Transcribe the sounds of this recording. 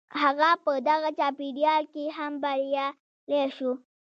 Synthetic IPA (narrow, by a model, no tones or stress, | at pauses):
haɣapəd̪aɣat͡ʃɑpiɖjɑlkeɦambaɾja | leʃu